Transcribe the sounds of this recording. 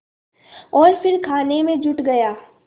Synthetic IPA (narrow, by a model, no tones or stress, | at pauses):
ɔːɾfɪɾkʰaːnemẽd͡ʒʊʈɡɐjaː